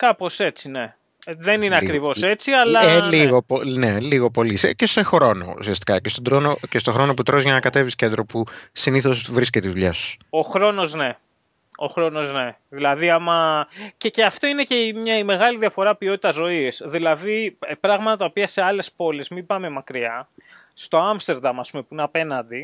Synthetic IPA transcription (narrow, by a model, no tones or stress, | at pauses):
kɐpo̞se̞t͡sine̞ | ðe̞nineɐkɾivo̞se̞t͡siɐlɐeliɣoponeliɣopo̞lisecesexɾo̞no̞̰ṵsiɐst̪i̥kɐcest̪o̞d̪ɾonocest̪o̞xɾo̞no̞p̬ut̪ɾo̞zʝɐnɐkɐt̪e̞viscend̪ɾo̞pusiniθozvɾisceiðuʎɐsu̥so̞xɾo̞no̞zne̞ | o̞̰xɾo̞no̞zne̞ | ðilɐðiɐmɐceceɐft̪o̞ine̞ce̞mɲɐime̞ɣɐliðiɐfo̞ɾɐpio̞t̪it̪ɐzo̞isðilɐðiepɾɐɣmɐt̪ɐt̪ɐopiɐse̞ɐle̞spo̞lezmibɐme̞mɐkɾiɐ | st̪o̞ɐmst̪eɾd̪ɐmɐspumepuineɐpe̞nɐnd̪i